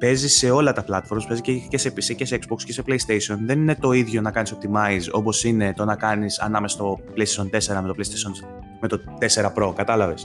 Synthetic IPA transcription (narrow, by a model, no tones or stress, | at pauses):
pe̞zisse̞o̞lɐt̪ɐplɐt̪fo̞ɾmɐspe̞zicecese̞piseceseeksbokscese̞pleist̪esio̞nðe̞ninet̪o̞iðʝo̞nɐkɐniso̞p̚t̪imɐizo̞̰po̞sine̞t̪o̞nɐkɐnisɐ̰nɐmesɐst̪opleist̪eso̞nt̪e̞se̞ɾɐmet̪opleist̪esion | me̞t̪o̞t̪e̞se̞ɾɐpɾo̞kɐt̪ɐlɐve̞s